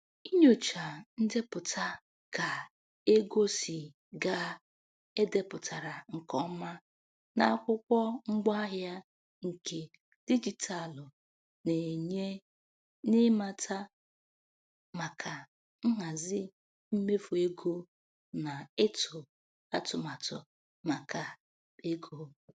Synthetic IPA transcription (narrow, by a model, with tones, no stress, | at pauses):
i˦ɲo˨t͡ʃa˨n̩˦dɪ˦pʊ˨tʰa˨ | ka˨ | e˦ɡo˦si˨ | ɡa˦ | e˦de˦pʊ˨ta˨ɾa˨ŋ̩˨kɔ˦ma˦ | na˦a˦kʷʊ˦kʷɔ˦ŋ͡m̩˦ɡ͡ba˦ɦja˦ | ŋ̩˨ke˨ | d̥i˦d͡ʒi˨tʰa˨lʊ˨ | ne˨ɲe˦ | nɪ˦ma˨tʰa˦ | ma˨kʰa˨ | ŋ̩˦ɦa˨zɪ˦ | m̩˦me˦fu˨e˦ɡo˦ | na˨ɪ˦tʰʊ˨ | a˦tʊ˨ma˨tʊ˨ | ma˨ka˨ | e˦ɡo˨˦